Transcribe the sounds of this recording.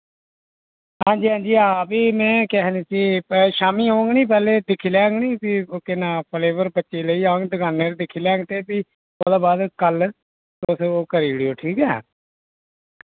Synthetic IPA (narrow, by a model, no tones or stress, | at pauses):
ɦãːɲd͡ʒiːɦãːɲd͡ʒiːaːpiːmɛ̃ːkɛɦniːsiːpɛʃaːmiːɦõːŋɡniːpɛːleːd̪ɪkʰːiːlɛ̃ːŋɡniːpiːokɪnaːpʰleːʋəɾbətːʃeːləiːãːŋɡd̪əɡaːneːɾd̪ɪkʰːiːlɛ̃ːŋɡt̪eːpiː | od̪aːbaːd̪kəl | t̪ʊsoːkəɾiːɽijoːʈʰiːkɛ̰ː